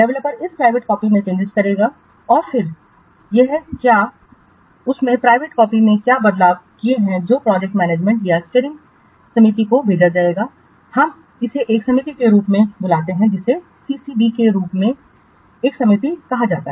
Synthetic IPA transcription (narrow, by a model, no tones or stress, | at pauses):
ɖɛʋləpːəɾɪspɾaːɪʋeːʈ̚kɔːpimẽt͡ʃẽːnd͡ʒɪʃkɐɾeːɡa | ɔːɾfɪɾ | jeɦkjaː | ʊsmẽpɾaːɪʋeːʈkɔːpimẽkjaːbɐd̪laːbkieɦɛ̃d͡ʒoːpɾɔːd͡ʒɛk̚ʈmɛːneːd͡ʒmɛ̃ɳʈjast͡ʃeːɾɪ̃ŋɡ | sɐmit̪̬ikobʱeːd͡ʒad͡ʒaːeːɡaː | hɐm | ɪseʔeːksɐmit̪ikeɾuːpmẽbʊlaːt̪eɦɛ̃d͡ʒɪse | siːsibikeɾuːpmẽ | eːksɐmit̪ikɐɦad͡ʒa̰ːt̪aɦɛ